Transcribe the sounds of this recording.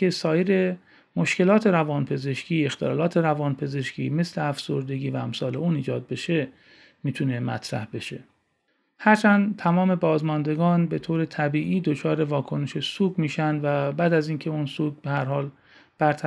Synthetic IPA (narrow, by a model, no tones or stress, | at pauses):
esɒːjeɾe̞ | mo̞ʃce̞lɒːt̪ʰe̞ɾævɒːnpʰe̞ze̞ʃcʰiːe̞xt̪ʰelɒ̰ːlɒːt̪ʰe̞ɾævɒːnpʰe̞ze̞ʃcʰḭːme̞sleæfsoɾd̪e̞ɡiːvææmsɒːle̞uːniːd͡ʒɒːd̪̚be̞ʃe̞ | miːt̪ʰune̞mæ̰t̪ʰɾæ̰hbe̞ʃe̞ | hæɾt͡ʃʰænd̪t̪ʰæmɒːme̞bɒːzmɒnd̪e̞ɡɒːnbe̞t̪ʰoːɾe̞t̪ʰæbiːʔiːd̪ot͡ʃʰɒːɾe̞vɒːkʰo̞ne̞ʃe̞suːɡmiːʃænd̪væbæːd̪æziːncʰe̞unsuːɡbehæɾhɒːl | b̥æɾt̪ʰæ